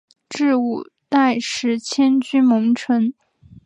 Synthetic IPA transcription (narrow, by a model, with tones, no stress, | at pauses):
ʈ͡ʂɻ̩˥˧u˥˩ | t̪a˥˩ɪʂɻ̩˧˥t͡ɕʰjɛ˥nt͡ɕy˥mɤ˧˥ŋʈ͡ʂʰwə˧˥n